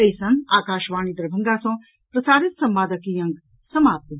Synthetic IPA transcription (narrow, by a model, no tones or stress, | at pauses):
ɐjsɐ̃ŋɡaːkaːʃʋaːñid̪ɾɐbʱɐŋɡaːsõː | pɾɐsaːɾɪt̪sɐmʋaːd̪ɐkijɐ̃ŋɡ | sɐmaːp̚t̪ɐ